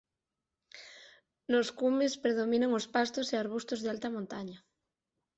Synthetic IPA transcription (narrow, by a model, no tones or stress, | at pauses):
loskumespɾeðomĩnaŋospast̪oseaɾβ̞ust̪ozðealt̪amõnt̪aɲa